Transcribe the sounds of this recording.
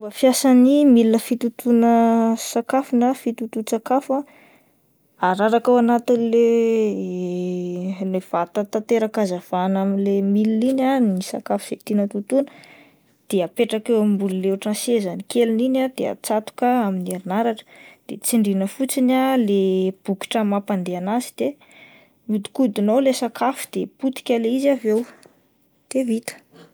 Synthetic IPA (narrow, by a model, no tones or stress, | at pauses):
bəfjasanimilinəfit̪ut̪unəsakafunəfit̪ut̪usakafa | aɾaɾakawanat̪inle | lev̥at̪at̪at̪eɾakazav̥anaminlemiliinanisa̰kafu̥z̥et̪inət̪ut̪unə̥ | d̪̥eapeʈ͡ʂakewamimbululeuʈ͡ʂasezanikeluninad̪̥eə̰t͡sat̪u̥kəaminieɾinaɾaʈ͡ʂə̥d̪̥et͡siɳɖ͡ʐinəfut͡sinaleb̥uki̥ʈ͡ʂəmapand̪eanazi̥d̪̥e | mid̪i̥kud̪inowlesakafu̥d̪eput̪i̥kʲaleizavew | d̪̥evit̪ə̥